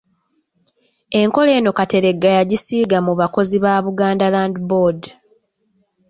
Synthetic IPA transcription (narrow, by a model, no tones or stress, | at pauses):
e̞ŋko̞le̞ːno̞kate̞ɾe̞ɡːajaɟisiːɡamuβako̞ziβaːβuɡaːndalaːndibod